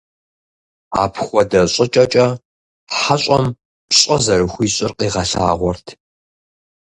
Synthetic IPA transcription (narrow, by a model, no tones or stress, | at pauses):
a̰ːpʰxʷɔdɐɕʼɪt͡ʃʼɐt͡ʃʼɐ | ħaɕʼɐm | pɕʼɐzɐrɨxʷiːɕʼɪrqiːʁɐɬa̰ːʁʷɔrtʰ